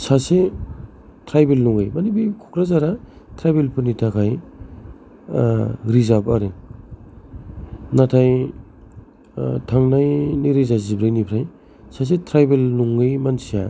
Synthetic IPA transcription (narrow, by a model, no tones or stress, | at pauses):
sase | tʰɾajbelnuŋɯjmanibikʰukɾazaɾa | tʰɾajbelpʰɯnitʰakʰaj | ɾizabaɾe | natʰaj | tʰaŋnajniɾezazibɾajnipʰɾaj | sas̬etʰɾajbelnuŋɡɯjmansija